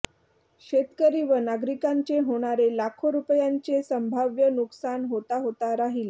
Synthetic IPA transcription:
ɕet̪kəɾiʋənaɡɾikaɲt͡ɕeɦoɽ̃aɾelakʰoɾupjaɲt͡ɕesəmbʱaʋjənuksanɦot̪aɦot̪aɾaɦile

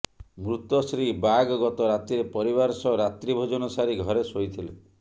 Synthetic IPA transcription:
mɾut̪ɔsɾibaɡɡɔt̪ɔɾat̪iɾepɔɾiβaɾsɔɾat̪ɾibʱod͡ʒɔnɔsaɾiɡʱɔɾesojt̪ʰile

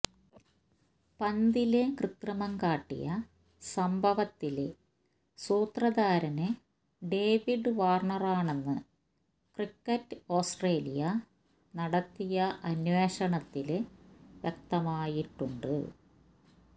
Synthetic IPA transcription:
pɐnd̪ilekrɨt̪rɐmɐŋkaːʈːḭjɐ̰ | sɐmbʱɐʋɐt̪ːil | suːt̪rɐðaːɾɐnɨ | ɖe̞ːʋiɖɨʋaːrɳɐraːɳe̞nːɨ | krikːɐtːɨoːsʈreːlḭjɐ | nɐɽɐt̪ːijɐʔɐnwe̞ːɕɐɳɐt̪ːilʋjɐk̚t̪ɐmaːjiʈːuɳɖɨ̰

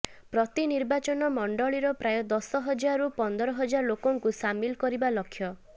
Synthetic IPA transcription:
pɾɔt̪iniɾbat͡ʃɔnɔmɔɳɖɔɭiɾɔpɾajɔd̪ɔsɔɦɔd͡ʒaɾupɔnd̪ɔɾɔɦɔd͡ʒaɾɔlokɔŋkusamilkɔɾibalɔkʰːjɔ

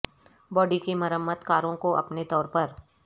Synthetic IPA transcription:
bɔːɖikimɐɾəmːət̪kaːɾõkoʔɐ̰pnet̪ɔːɾpɐɾ

